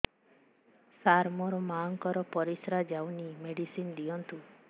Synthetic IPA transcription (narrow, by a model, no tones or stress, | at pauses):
saɾmɔɾɔmaŋkɔɾɔpɔɾisɾad͡ʒawnimeɽisind̪iɔnt̪u